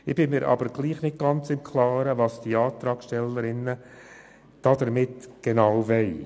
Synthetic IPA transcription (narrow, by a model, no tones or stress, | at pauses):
ɪb̥ɪmɪːɾʔɑ̰bəɾɡ̥liːχnɪt̚ɡ̥ɑnt͡sɪmkʰlɑːɾəvɑːsd̥iɑːt̪ɾɑːkʃtɛlːəɾɪnːə | d̥ɑd̪əɾmɪtɡ̥enɑwvɛɪ